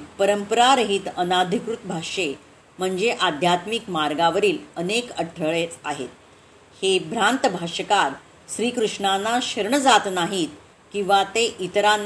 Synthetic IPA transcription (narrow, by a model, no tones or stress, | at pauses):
pəɾəmpəɾaɾəɦit̪ənad̪ʱikɾut̪bʱaʂe | m̤əɳd͡zeʔad̪ʱjat̪mikmaɾɡaʋəɾiːlənekəʈʰːəɭet͡saɦḛt̪̚ | hebʱɾant̪əbʱaʂəkaɾ | ɕɾiːkɾuʂɳanaɕəɾɳəd͡zat̪naɦiːt̪̚ | kĩw̃ʋat̪eʔit̪ɾan